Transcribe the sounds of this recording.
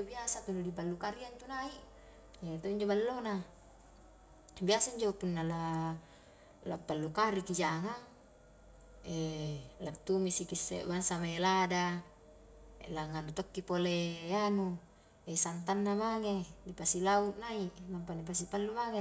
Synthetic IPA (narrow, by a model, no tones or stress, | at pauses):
obiasat̪unːudipalːukaɾiant̪unaiʔ | et̪oiɲd͡ʒobalːona | biasaiɲd͡ʒopunːala | lapːalːukaɾikid͡ʒaŋaŋ | elat̪ːumisikisːḛbaŋsamaelada | ḛlaŋanut̪okːipoleanu | esant̪̬anːamaŋedipasilauʔnaiʔnampanip̬as̬ipalːumaŋe